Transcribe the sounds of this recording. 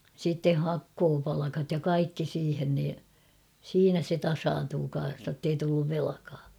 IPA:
sitːe hɑkːoːpɑlɑkɑt jɑ kɑikːi siːhen niː siːnæ se tɑsɑːntuː kɑn̞s notːei tulːuʋ ʋelɑ̆kɑː

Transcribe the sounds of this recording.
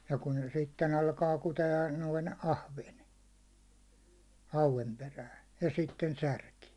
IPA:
jɑ kun se sitːen ɑlkɑː kuteɑ noin ɑhʋen hɑuʋen peræːn̞ jɑ sitːen særki

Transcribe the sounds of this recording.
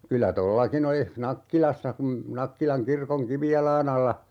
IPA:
kylæ tolːɑkin olih nɑkːilɑsːɑ kum nɑkːilɑŋ kirkoŋ kiʋijɑlˑɑːn ɑlːɑ

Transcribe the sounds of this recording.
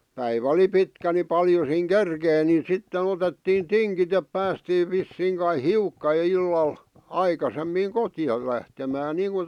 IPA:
pæiʋæ ŏli pitkæ ni pɑljo siːŋ kerkeˑĭ nin̞ sitːen otetːiːn tiŋkit ep pæːstiːʋ̆ ʋisːiːŋ kɑi hiukːɑ j̆ŏ ilːɑl ɑikɑsemːiːŋ kotĭjɑl̆ læhtemæːn niːŋku

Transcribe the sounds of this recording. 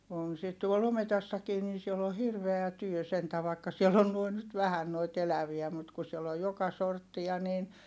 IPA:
on sit tuol ometɑsːɑkiː nin̞ siel o hirʋeæ tyø sentæ ʋɑˑikːɑ sielː on nuoin nyt ʋæhæn noit elæʋiæ mut ku sielː oj jokɑ sortːiɑ niːn

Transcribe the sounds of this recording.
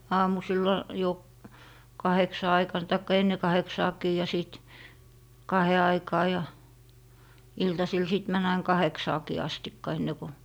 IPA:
ɑːmusilːɑ jo kɑheksɑ ɑikɑn tɑikːɑ enːe kɑheksɑːki jɑ siˑt kɑhe ɑikɑː jɑ iltɑsil siˑt mæn ɑin kɑheksɑːkiː ɑstikːɑ enːe ko

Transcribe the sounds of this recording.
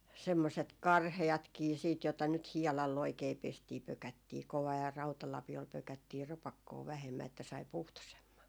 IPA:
semːoset kɑrheɑtkiː siːt jotɑ nyt hiɛlɑlː oikei pestiː pøkætːiː koʋɑː jɑ rɑutɑlɑpiol pøkætːiː rɑpɑkːoː ʋæhemːæ etːæ sɑi puhtosemːɑ

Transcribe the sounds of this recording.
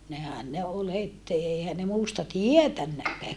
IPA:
nehæn ne ol het eˑihæn ne muːstɑ tietænːækːæː

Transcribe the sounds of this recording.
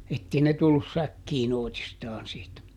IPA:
etːei ne tulːus sækːiːn oˑitistɑːn siːtæ

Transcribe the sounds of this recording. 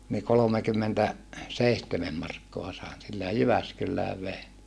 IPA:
niː kolomekymːentæ seihtemem mɑrkːoɑ sɑˑi̯n silːæ jɑ jyʋæskylːæːʋ ʋein

